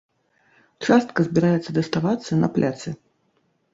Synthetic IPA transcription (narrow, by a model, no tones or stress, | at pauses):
t͡ʂast̪̚kɐzʲbʲɪɾajɛt̪sːɐd̪ɐst̪avat̪sːɐnɐ̰plʲʔat̪sɨ